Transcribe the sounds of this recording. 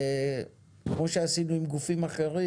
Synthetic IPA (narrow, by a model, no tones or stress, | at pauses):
kmo̞ʃe̞asinuimɡufimaχeʁi